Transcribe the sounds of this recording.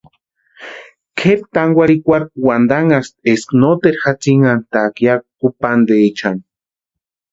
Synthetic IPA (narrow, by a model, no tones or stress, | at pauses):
kʰeɾt̪aŋɡʷaɾikʷaɾkwand̪aŋast̪̚esknot̪eɾxat͡siŋant̪akjak̚kupand̪eːt͡ʃʰan